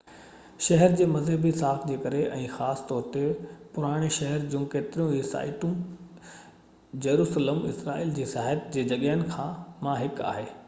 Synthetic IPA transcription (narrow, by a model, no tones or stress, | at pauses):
ʃɐɦəɾd͡ʑeːmɐzɦəbisaːkd͡ʑeːkɐɾeʔɛ̃ːxaːsɪ̥t̪ɔːɾt̪epʊɾaːɽ̃eʃɐɦəɾd͡ʑũːkeːt̪ɪɾijũisa̰ːɪʈũ | d͡ʑɐɾuːsələmɪ̰sɾaːiːld͡ʑeːsaːɦət̪d͡ʑeːd͡ʑɐɠɦənɪ̆kʰãːmãɦɪka̰ːɦeː